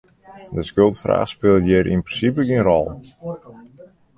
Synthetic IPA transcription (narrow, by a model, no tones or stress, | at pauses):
dəskølˠtfra̰ːxspɪlˠtjɪrʔḭnprəsipəɡɪnrɔ̰lˠ